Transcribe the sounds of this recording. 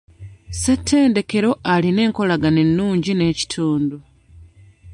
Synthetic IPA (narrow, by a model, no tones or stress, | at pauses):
se̞tʰːe̞ːnde̞ke̞ɾo̞aline̞ːŋko̞laɡane̞nːuːɲɟine̞ːci̥tʰuːndu